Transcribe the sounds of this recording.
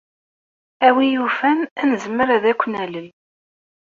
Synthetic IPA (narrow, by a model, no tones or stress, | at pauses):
æwijufænænəzəmːəɾæðækʷːənæləl